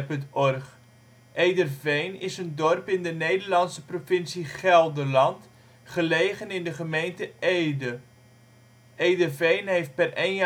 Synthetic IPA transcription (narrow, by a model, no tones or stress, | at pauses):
pɵntɔrχ | ʔejdərvejnɪsəndɔrpɪndənejdərlɑnsəprofɪnsiχɛlˠdəlɑnt | χəlejχənɪndəχəmejntəejdə | ejdərvejnɦejft̚pɛrejn